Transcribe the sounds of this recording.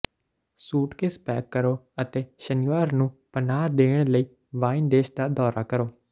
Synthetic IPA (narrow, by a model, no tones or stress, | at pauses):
suːʈkeːspɛːkːəɾoːət̪eːʃəniʋaːɾnũːpənaːd̪eːɳ̃ləiː | ʋaːind̪eːʃd̪aːd̪ɔːɾaːkəɾoː